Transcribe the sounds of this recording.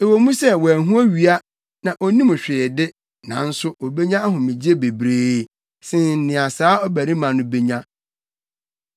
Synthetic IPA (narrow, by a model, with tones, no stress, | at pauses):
e˨wo˨mũ˦sɛ˦wɔ˨æ˨ɦũ˦æ˦ɥi˨a˦ | nã˨ʔɔ˨nĩ˦mʊ̃˨ɕᶣɪ˨dɪ˦ | nã̰˨˦n̩˦sʊ˦ɔ˨be˦ɲã˦ɦʊ̃˨mĩ˨d͡ʑi˦e˦be˨bɾeː˦ | sɪ̃˦n̩˨nɪ̃˨a˨saː˦ɔ˦bæ˨ɾĩ˦mã˨nʊ̃˦be˦ɲã˦